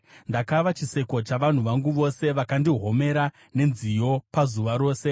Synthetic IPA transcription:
ndakaʋat͡ʃise̞ko̞t͡ʃaʋan̤uʋaŋɡuʋo̞se̞ʋakandiɦo̞me̞ɾa | ne̞nzijo̞pazuʋaɾo̞ːse̞

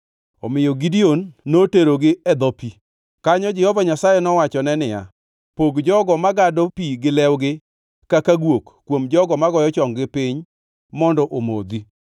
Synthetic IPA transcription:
ɔmɪjɔɡidionːoteɾoɡɪɛd̪ɔpi | kaɲɔd͡ʒɛhɔvaɲasajɛnɔwat͡ʃɔnɛnɪja̰ | poɡd͡ʒɔɡɔmaɡadɔpiɡɪlɛwɡɪ | kakaɡwokːwomd͡ʒɔɡɔmaɡɔjɔt͡ʃɔŋɡɪpɪɲ | mɔndɔʔomo̰d̪i

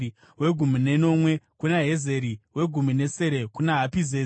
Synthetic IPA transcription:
we̞ɡʱumine̞no̞mwe̞kunaɦe̞ze̞ɾiwe̞ɡʱumune̞se̞ɾe̞kunaɦapizeːi

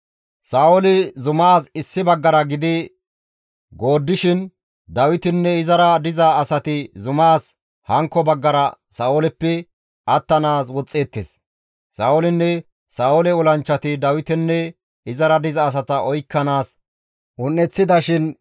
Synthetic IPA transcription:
saːwɔlɪzʊmaːsɪsːɪbɐɡːɐɾɐɡɪd̪ɪ | ɡo̞ːd̪ːɪʃɪn | d̪ɐwɪt̪ɪnːɛɪzɐɾɐd̪ɪzɐːsɐt̪ɪzʊmaːs | hɐŋkːɔbɐɡːɐɾɐsaːwɔlɛpːɛ | ɐt̪ːɐnaːs̬wɔt͡sʼːeːt̪ːes | saːwɔlɪnːɛ | saːwɔlɛɔlɐnt͡ʃːɐt̪ɪd̪ɐwɪt̪ɪnːɛ | ɪzɐɾɐd̪ɪzɐːs̬ɐt̪ɐʔɔjkːɐnaːs | ʔʊnːɛt͡sːɪd̪ɐʃɪn

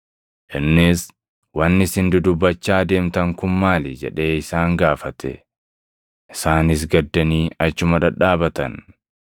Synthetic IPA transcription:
ʔɪnːɪs | wɐnːɪsɪnd̪ʊd̪ʊbːɐt͡ʃːaːd̪e̞ːmt̪ɐŋkʊmːaːlɪd͡ʒɛ̰ᶑe̞ːɪsaːŋɡaːfɐt̪ɛ̰ | ʔɪsaːnɪs̬ɡɐd̪ːɐniːɐt͡ʃːʊmɐᶑɐᶑaːbɐt̪ɐ̰n

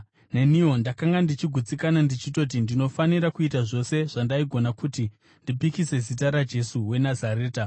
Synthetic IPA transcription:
ne̞niwo̞ndakaŋɡandit͡ʃiɡʱut͡sikanandit͡ʃit̬o̞t̬indino̞faniɾakuitaʐo̞se̞ʐ̥andaiɡʱo̞nakuti | ndip̬ikise̞zitaɾad͡ʒe̞suwe̞nazaɾe̞ːta

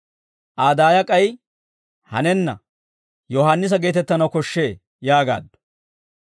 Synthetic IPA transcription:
ʔaːd̪aːjɐkʼɐj | hɐ̰nɛnːɐ̰ | jɔhaːnːɪs̬ɐɡe̞ːt̪ɛt̪ːɐnɐwkɔʃːe̞ː | jaːɡa̰ːd̪ːɔ̥

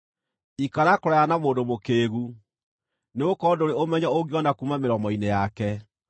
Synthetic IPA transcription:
ikaɾakoɾajanamoːndomokeːɣu | neokɔdoɾeomɛɲaoɡiɔnakumameɾɔmɔinejakɛ

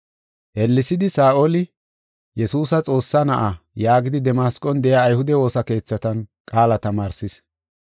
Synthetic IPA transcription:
ʔɛlːɪsɪd̪ɪsaːʔolɪ | jɛsuːsɐt͡sʼo̞ːsːɐnɐʔɐjaːɡɪd̪ɪd̪ɛmaːskʼɔnd̪ɛjaːjhʊd̪ɛwo̞ːsɐke̞ːt͡sːɐt̪ɐnkʼaːlɐt̪ɐmaːɾsɪs

